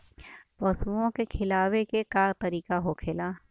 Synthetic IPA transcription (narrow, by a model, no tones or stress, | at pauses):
pɔsuõkekʰɪlaːwekekat̪ɐɾiːkaɦokʰɪlaː